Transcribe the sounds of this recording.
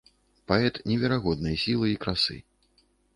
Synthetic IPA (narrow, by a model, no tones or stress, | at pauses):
paɛt̪nʲɛvʲɛɾaɣɔd̪̚nɨjɐsʲilˠɨikɾasɨ̰